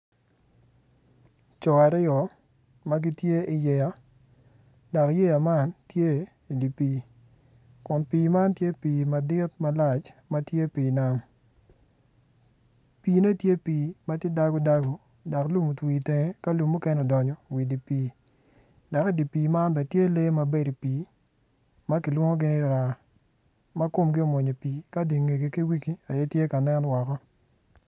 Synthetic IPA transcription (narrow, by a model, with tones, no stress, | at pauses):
t͡ʃɔ˨a˨ɾɪ˦ɔ˨ | ma˦ɡi˦tje˦ɪ˨jɛ˨ja˦ | da˨kje˦ja˨ma˦ntje˦ | i˨di˨piː˨˦ | kʊ˨npiː˨ma˦ntje˦piː˨ma˨dɪ˦tmɐ˦la˦˨t͡ʃma˦tje˦piː˨na˦n | piː˨ne˦tje˦piː˨ma˦tje˦da˦ɡo˦da˦ɡo˨ | da˨klu˦mu˨twi˨te˨ŋe˦ka˦lu˨mːu˦kɛ˦nɔ˨dɔ˨ɲɔ˨wi˨di˨piː˨˦ | da˨kdi˨piː˨ma˦nbɛ˨tje˦le˦ma˨be˦ɾi˨piː˨ | ma˦kɪ˨lwo˦ŋo˦ɡɪ˦nɪ˦ɾa˨ | ma˦ko˦˨mɡɪ˦o˨mo˨ɲe˨piː˨ka˦di˨ŋe˨ɡe˨ki˦wi˦ki˨a˨je˦tje˦ka˨nɛ˦nwɔ˨kɔ˦